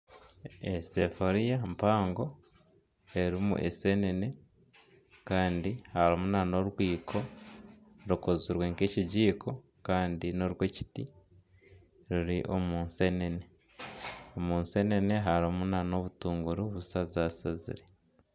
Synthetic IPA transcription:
ese̞foɾijampaːŋɡo̞ | e̞ɾimṵʔḛse̞nene̞ | kaːndihaɾomunano̞ɾwiːkʰo̞ | ɾukoziɾweŋke̞ːciɟiːkʰo̞ | kaːndino̞ɾwe̞ːci̥ti | ɾuɾiʔo̞muːnse̞ːnene̞ | omuːnse̞ːne̞ne̞ɦaɾomunano̞βutuːŋɡuɾuβusazaːsazḭɾe

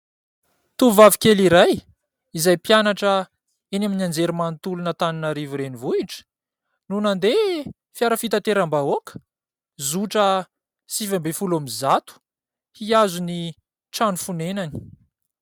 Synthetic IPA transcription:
t̪uvavikeliɾaj | izajpjanaʈ͡ʂə | enaminand͡zeɾimant̪ulunət̪aninaɾiviɾenivuiʈ͡ʂə̥ | nunand̪e | fjaɾəfit̪at̪eɾambaokə̥ | zuʈ͡ʂə | sivambefulamizat̪u̥ | hiazuni | ʈ͡ʂanufunenani̥

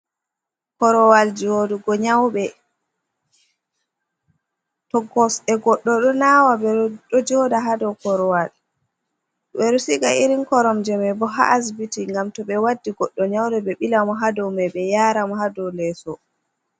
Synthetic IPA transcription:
kɔɾɔwald͡ʒodɔɡɔɲawɓɛ | tɔɡɔsɛɡɔɗːɔɗɔnawabɛɗɔd͡ʒɔdaɦadɔwkɔɾɔwal | ɓɛɾɔsiɡaiɾinkɔɾɔmd͡ʒɛmɛbɔɦa̰ʔas̬bitiŋɡamtɔɓɛwadːiɡɔɗːɔɲawdɛɓɛɓilamɔɦadɔwmɛɓɛjaːɾamɔɦadɔlɛsɔ

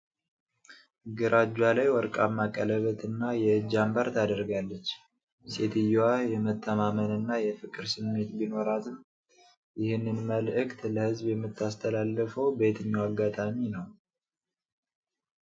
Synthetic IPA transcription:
ɡɨɾʔad͡ʒwalajwɔɾkʼamːakʼːələβət̪ʰɨnːajɛɨd͡ʒambaɾt̪ʰad̪əɾɡalːət͡ʃː | se̞t̪ɨjajɛmət̪ʰːəmamənɨnːajɛfɨkʼɨɾsɨmːe̞t̪bino̞ɾat̪ʰɨm | jɪhɨnːɨnməlʔɨkt̪ləhɨzbjɛmːɨt̪ʰːast̪ʰəlalːəfəwbe̞t̪ʰɨɲːawaɡːat̪ʼaminəw

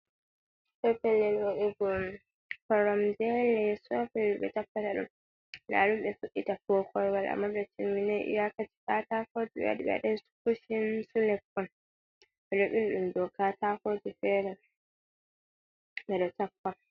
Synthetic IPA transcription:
sɔpɛlːɛlwoɗiɡɔ | kɔɾɔmd͡ʒɛlɛsɔfɛluɓɛ̰tapːataɗṵm | la̰lumɓɛfuɗːitafɔkʰɔɾwalʔa̰mːaɓɛtimːinɛjʔḭjakati̥kaːtakod͡ʒiɓɛ̰wa̰ɗḭɓɛ̰ɗɛskuʃinsulɛpːɔn | ɓɛɗɔɓinɗumdɔkaːtakod͡ʒifɛɾɛ | ɓɛɗɔtapːa

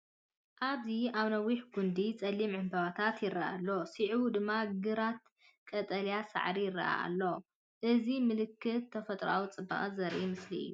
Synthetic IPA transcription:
ʔaβziaβnɐwiħɡund̪it͡sʼɐlːimʕɨmbɐβat̪ʰat̪jɪrːaʔa̰lːo̞siʕwud̪ɨmːaɡɨɾat̪̚ | kʼɐt̪ʼɐljasa̰ʕɾijɪrːɐ̰ʔa̰a̰lːo̞ | ʔɨzimɨlɨkːɨt̪ʰːɐfɐt̪ʼɾa̰wut͡sʼɨba̰χʼzɐɾʔimɨsliɨ̰jːu

